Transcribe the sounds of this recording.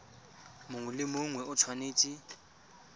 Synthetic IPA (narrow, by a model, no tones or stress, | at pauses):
mʊŋʊlɪmʊŋwɛʊt͡sʰwaneːt͡ʃʼi